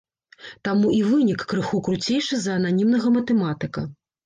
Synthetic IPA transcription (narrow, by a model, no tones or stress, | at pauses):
t̪amuʔivɨnʲikːɾɨxukɾut͡sʲejʂɨzɐːnanʲimnɐɣɐmɐt̪ɛmat̪ɨkɐ